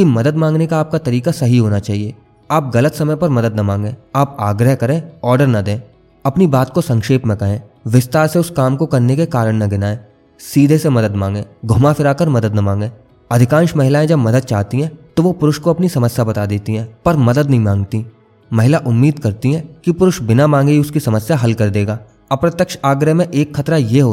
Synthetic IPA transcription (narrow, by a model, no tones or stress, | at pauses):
kimɐd̪əd̪mãːŋɡnekaaːp̚kat̪ɐɾiːkasɐɦiɦoːnat͡ʃaːɦieː | aːp̚ɣɐlət̪sɐməjpɐɾmɐd̪əd̪nɐmãːŋɡẽːaːpaːɡɾəɦkɐɾẽːɔːɾɖəɾnɐd̪ẽː | ɐpnibaːt̪̚kosɐ̃ŋkʃeːpmẽkɐɦẽː | ʋɪst̪aːɾseʊskaːmkokɐɾnekekaːɾəɽ̃nɐɡɪnaɛː | siːd̪ʱesemɐd̪əd̪mãːŋɡẽːɡʱʊmafɪɾaːkəɾmɐd̪əd̪nɐmãːŋɡẽː | ɐd̪ʱɪkãːnʃmɐɦɪlaːẽd͡ʒɐbmɐd̪əd̪̚t͡ʃaːɦt̪iɦɛ̃ːt̪oʋopʊɾʊʃkoɐpnisɐməsjabɐt̪ad̪eːt̪iɦɛ̃ːpɐɾmɐd̪əd̪nɐɦĩmãːŋɡt̪i | mɐɦɪlaʔʊmːiːd̪kɐɾt̪iɦɛ̃kipʊɾʊʃbɪnamãːŋɡeiʊskisɐməsjaɦɐlkɐɾd̪eːɡaː | ɐpɾət̪jəkʃaːɡɾəɦmẽʔeːkxɐt̪ɾajeɦoː